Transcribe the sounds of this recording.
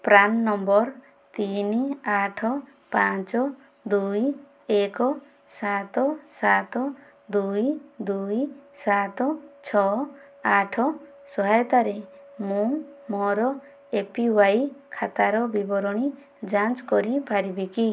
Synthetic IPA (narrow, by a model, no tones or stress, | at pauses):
pɾanːɔmbɔɾ | t̪iniaʈʰɔ | pat͡ʃɔ | d̪uj | ekɔ | sat̪ɔsat̪ɔ | d̪ujd̪ujsat̪ɔt͡ʃʰɔ | aʈʰɔ | sɔɦajɔt̪aɾemũmɔɾɔ | epiwajkʰat̪aɾɔbibɔɾɔɽ̃i | d͡ʒant͡ʃkɔɾipaɾibeki